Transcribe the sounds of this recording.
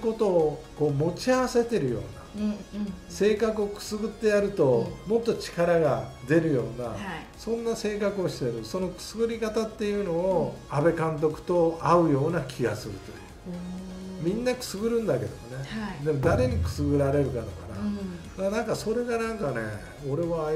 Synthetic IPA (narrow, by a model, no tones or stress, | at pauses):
ko̞t̪o̞ːko̞ːmo̞t͡ɕiaβase̞t̪e̞ɾɯ̟jo̞̰ːna̰ | se̞ːkakɯ̟o̞kɯ̟̥sɨɡɯ̟t̪ːe̞jaɾɯ̟t̪o̞mo̞t̪ːo̞t͡ɕi̥kaɾaɡad̪e̞ɾɯ̟jo̞ːna | sõ̞nːase̞ːkakɯo̞ɕi̥t̪eɾɯso̞no̞kɯ̟̥sɨɡɯ̟ɾʲikat̪at̪ːe̞jɯ̟no̞ːabe̞kãnt̪̬o̞kɯ̟̥t̪o̞aɯ̟jo̞ːnakʲʰiɡasɨɾɯ̟t̪o̞̰jɯ̟̰ | mʲĩnːakɯ̟̥sɨɡɯ̟ɾɯ̟̃nd̪ake̞d̪omo̞ne̞d̪e̞mo̞d̪aɾe̞ɲ̟ikɯ̟̥sɨɡɯ̟ɾaɾe̞ɾɯ̟kad̪okaɾa̰d̪anãŋkaso̞ɾe̞ɡanãŋkane̞̰ | o̞ɾe̞βa